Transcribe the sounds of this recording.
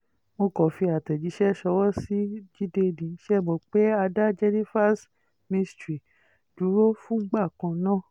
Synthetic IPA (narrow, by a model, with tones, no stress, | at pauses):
mo˧kɔ˨fi˧a˨tɛ˨d͡ʒi˨˦ʃɛ˦ʃɔ˧wɔ˦si˦d͡ʒi˦de˧dĩ˨˧˦ʃɛ˦˨mɔ̃˨k͡pe˦a˧da˦d͡ʒɛ˧ni˦fa˦s | mĩ˧stɾi˨ | du˨˦ɾo˦fũ˦ɡ͡ba˦˨kã˧nãː˦˨